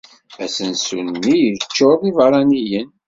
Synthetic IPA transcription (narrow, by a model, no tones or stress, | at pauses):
æsənsunːijət͡ʃːoðˤivəɾˤɑnijən